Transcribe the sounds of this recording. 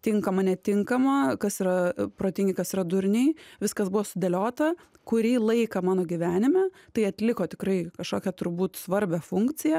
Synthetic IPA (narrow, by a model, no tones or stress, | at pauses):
t̪ʲɪŋkɐmɐnʲɛt̪ʲɪŋkɐmɐkɐsiːɾɐpɾoːt̪ʲɪŋʲɡʲɪkɐsiːɾɐd̪ʊɾʲnʲɛɪʋʲɪskɐsbʊʋoːsʊd̪ʲɛlʲoːt̪ɐ | kʊɾʲiːlˠɐɪkɐmɑːnoːɡʲiʋʲæːnʲɪmʲæt̪ɐɪɐt̪ʲlʲɪkoːt̪ʲɪkrɐɪkɐʃkoːkʲɛt̪ʊɾbuːt̪sʋɐɾʲbʲɛfʊŋk̪t͡s̪ʲɪjɛ